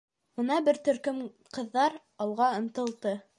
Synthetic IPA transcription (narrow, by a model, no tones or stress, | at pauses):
unɑbɘɾt̪ɵ̆ɾkɵm | qɤ̆ðːɑɾ | ɑlˠʁɑɤ̆nt̪ɤ̆lˠt̪ɤ